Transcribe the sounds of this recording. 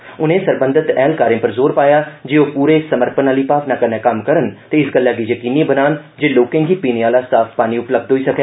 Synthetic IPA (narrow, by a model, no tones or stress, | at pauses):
ʊnẽːsəɾbənd̪ʱət̪ɛːlkaːɾẽːpəɾzoːɾpaːjaːd͡ʒeːoːpuːɾeːsəməɾpənaːliːpaːpnaːkənẽːkəmkəɾənt̪eːɪsɡəlːaːɡiːjəkiːnĩbənaːnd͡ʒeːloːkẽːɡiːpiːnẽaːlaːsaːfʰpaːniːʊpləb̚d̪ɦoːiːsəkɛː